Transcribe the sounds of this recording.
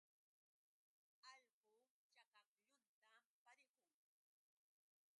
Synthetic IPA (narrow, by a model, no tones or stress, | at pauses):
ɑʎɢʊ | t͡ʃakɑkʎʊnt̪apaɾɪqʊŋ